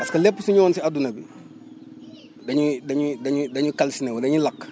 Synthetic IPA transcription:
pɐskɐlɛpːsuɲɔːnsiadunɐbḭ | dɐɲudɐɲudɐɲudɐɲukalsinewɐdɐɲilakː

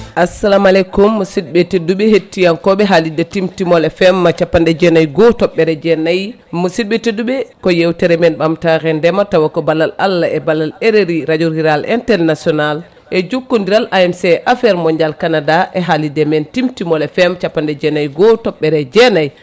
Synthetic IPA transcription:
ʔasalamalɛkumːɔsidɓeteduɓɛɦetːijankɔɓɛɦalidɛtimtimɔlɛfɛmːat͡ʃapːandɛd͡ʒɛnajɡɔtɔɓːɛɾɛd͡ʒɛnaj | mɔsid̚ɓeteduɓɛkɔjewtɛɾɛmɛnɓamtaɾɛndɛmatawakɔbalala̰lːaʔɛbalaleɾeɾiɾad͡ʒuɾiɾalʔɛntɛlnasiɔnal | ʔɛd͡ʒukːundiɾalʔaɛmsɛʔafɛɾmɔɲd͡ʒalkanadaʔɛɦalidɛmɛntimtimɔlɛfɛmt͡ʃapːandɛd͡ʒɛnajɡɔtɔɓɛɾɛd͡ʒɛnaj

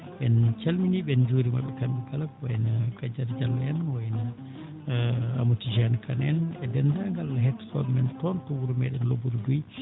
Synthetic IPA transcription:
ɓɛnt͡ʃalminiɓɛnd͡ʒuːɾima̰ɓɛkanɗuɡalakwajnaɡad͡ʒaɾd͡ʒalːɔɛnwajna | a̰mutid͡ʒankʰanɛnɛdɛndaŋɡalaɦɛtːsɔ̰mɛntɔntɔwuɾumɛɗɛnlobuɾduj

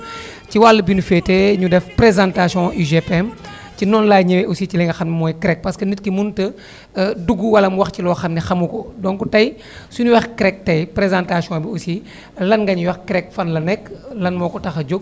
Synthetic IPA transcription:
ciwalːəbinufɛteɲudɛfpɾezãntasijɔ̃ʔiʒepɛm | cinɔnlaːjɲɛwɛʔusicilɛŋɡɐxɐmnmɔːjkɾɛk̚pɐskənitkimuntə | duɡuwɐlɐmuwɐxcilɔxɐmnixɐmukɔdɔŋkutɐj | sunuwɛxkɾɛk̚tɐjpɾezãntasiɔ̃biusi | lɐnɡɐɲwɐxkɾɛkfɐnlɐnɛkːlɐnmɔːkɔtɐxɐɟoɡ̚

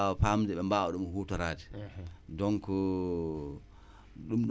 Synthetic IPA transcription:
ɔfamd͡ʒɛɓɛmbaʔɔɗumhutɔɾaːdi̥dɔŋkɔ | ɗumɗ

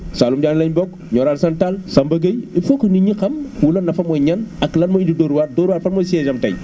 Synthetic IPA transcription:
saːlumɟaːnlɐɲbɔk | ɲɔɾaːlsantalsɐmbɐɡɐjifokniɲikɐmkulɐnɐfɐmɔjɲɐnɐklɐnmɐididoɾuwaɾdoːɾuwaːɾfɐnmɔsiɛzɐmtɐ̰j

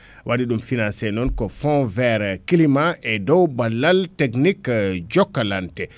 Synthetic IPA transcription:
wʔaɗiɗumfinansɛnɔnkɔfɔ̃vɛɾkilimaʔɛdɔwbalːalteknikd͡ʒɔkːalantɛ

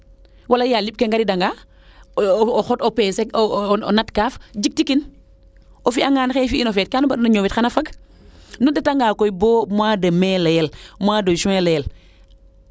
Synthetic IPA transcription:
walɐjalip̚kɛŋɡaɾidɐŋɡa | ɔxɔtɔpɛːsɛɔ̰natkaːfd͡ʒik̚tikin | ʔɔfiaŋɡaːnxɛfiinɔfɛt̚kaːnubɐɗunɐɲɔːwitxanɐfɐk | nudɐtaŋɡaːkɔjbɔːmwaːdɐmɛːlɛlmwadosuɛlɛl

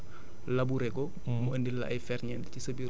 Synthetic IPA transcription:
lɐbuɾɛkɔ | muəndilːɐ̰ʔɐjfɛrɲɛntcisɐbi

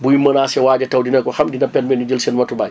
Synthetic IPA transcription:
bujimənasɛwaːɟɐtɐwdinɐkɔxamdinɐpɛnmɛnud͡ʒəlsɛnmɐtubaːj

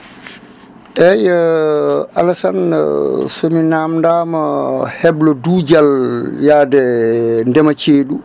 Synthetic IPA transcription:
ʔɛja | alasan̰ | sominamndaːmahɛblɔduːd͡ʒaljaːdɛndɛmat͡ʃeːɗu

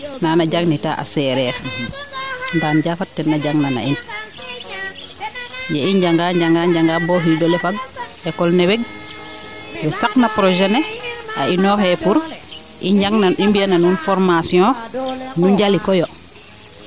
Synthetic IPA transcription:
nanaɟaɡnita̰ʔa̰sɛɾɛɾ | ndanɟafatːɛnːaɟaŋnana̰in | jaind͡ʒaŋɡaɲɟaŋɡaɲd͡ʒaŋɡabɔɦidɔlɛfaɡ̚ɛkɔlnɛwɛɡ̚ | bɛsaknapɾɔʒɛnɛa̰inɔhɛpuɾ | ʔiɲɟaŋnaimbiananunfɔɾmasiɔ̃nuɲɟalikɔjɔ

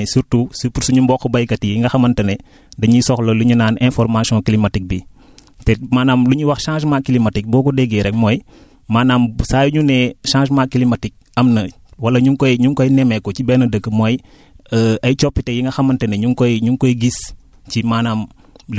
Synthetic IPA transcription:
suɾtusupuɾsuɲumbɔkːɔbɐjkɐtijiŋɡɐxɐmɐntɐnɛ | dɐɲisɔxlɐluɲunaːnɛ̃nfɔɾmasiɔ̃kilimatik̚bi | tɛmaːnaːmluɲiwɐxʃãːʃmakːilimatik̚bɔːkɔdɛɡɛɾɛk̚mɔj | maːnaːmsaːjuɲunɛʃãːʃmaːkilimatik̚ɐmnɐ | wɐlɐɲuŋkɔjɲuŋkojnɛmɛkɔt͡ʃibɛːnɐdəkːəmɔj | əɐjt͡ʃɔpːitejiŋɡɐxɐmɐntɐnɛɲuŋkɔjɲuŋkɔjɡis | cimaːnaːm | l

